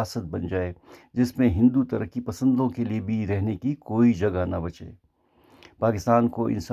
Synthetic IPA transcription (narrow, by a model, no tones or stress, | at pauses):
aːsət̪̚bɐnd͡ʒaːed͡ʒɪsmẽɦɪ̃nd̪ut̪ɐɾəkːipɐsə̃nd̪õkeliebʱiɾɛɦnekikoːid͡ʒɐɡanabɐt͡ʃḛː | paːkɪst̪aːnkoʔɪ̰̃ns